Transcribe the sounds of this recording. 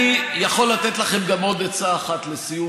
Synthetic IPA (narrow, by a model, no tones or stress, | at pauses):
ijaχo̞lːat̪et̪laχe̞mɡamo̞d̪et͡saːχat̪lesiju